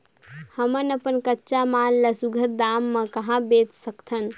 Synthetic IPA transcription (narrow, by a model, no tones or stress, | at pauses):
həmənəpənkətːʃamanləsuɡʱəɾd̪amːəkəɦãbet̪səkt̪ʰən